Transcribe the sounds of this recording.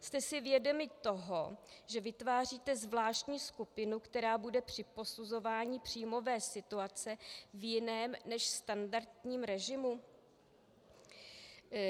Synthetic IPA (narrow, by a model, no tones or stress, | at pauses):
st̪ɛsɪvjɛdo̞mɪt̪o̞ɦoʒɛvɪt̪vaːr̝iːt̪ɛzvlaːʃt̪ɲiːskupɪnukt̪ɛɾaːbudɛpr̝̥ɪpo̞suzo̞vaːɲɪpr̝̥iːmo̞vɛːsɪt̪uat͡sɛvjɪnɛːmnɛʃst̪andaɾt̪ɲiːmɾɛʒɪmu